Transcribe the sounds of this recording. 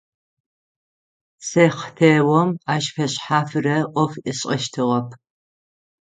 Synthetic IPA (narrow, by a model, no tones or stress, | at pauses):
sɐχtʰeːwɔmaːʃfɐɕħaːfɨrɐʔʷɔfʔɨɕʼɐʃtʰɨʁɐpʰ